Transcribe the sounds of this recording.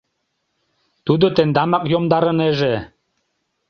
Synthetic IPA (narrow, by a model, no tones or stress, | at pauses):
t̪ud̪ot̪end̪ɑmɑkjomd̪ɑɾɤ̆neʒe